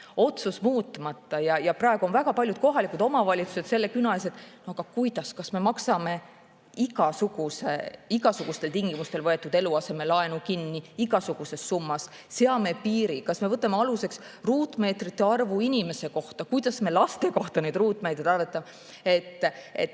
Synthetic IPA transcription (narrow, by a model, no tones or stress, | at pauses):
o̞t̪susmuːt̪ːˑmɑt̪ːɑjɑjɑprɑeɡ̥uo̞nvæɡɑpɑlʲjud̪̚ko̞ɦɑlikːˑud̪omɑvɑlʲit̪su̥se̞t̪se̞lːe̞kynɑes̬e̞t̪ːˑnoɑɡ̥ɑkujd̪ɑskɑsme̞mɑksɑme̞ | iɡ̥ɑsuɡ̥use̞̰iɡ̥ɑsuɡ̥ust̪elt̪iŋɡimust̪e̞lvɤe̞t̪ːˑud̪̥e̞luɑse̞me̞lɑe̞nukinːiiɡɑsuɡ̥use̞sːumːɑs | seɑme̞piːɾikɑsme̞vɤt̪ːˑɑmeɑluse̞ks | ruːt̪ˑme̞ːt̪rit̪ːe̞ɑrvuinʲime̞se̞ko̞ht̪ɑkujd̪ɑsme̞lɑst̪e̞ko̞ht̪ɑned̪̥ruːt̪ːˑmeːt̪ɾid̪ɑrvet̪ːˑɑm | e̞t̪ːˑḛt̪ː